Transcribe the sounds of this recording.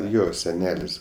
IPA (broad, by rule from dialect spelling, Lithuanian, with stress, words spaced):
ˈjoː sʲɛˈnʲæːlʲɪs